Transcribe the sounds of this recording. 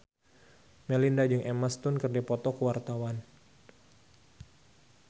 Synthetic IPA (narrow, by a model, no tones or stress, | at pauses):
mɛlindad͡ʒɨŋʔemast̪ʊnkɨrdipɔt̪ɔkuwart̪awan